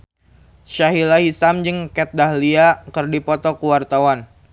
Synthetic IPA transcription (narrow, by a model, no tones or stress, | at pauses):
ʃaɦilaɦisamd͡ʒəŋkɛt̪̚dahliakərdipɔt̪ɔkuwart̪awan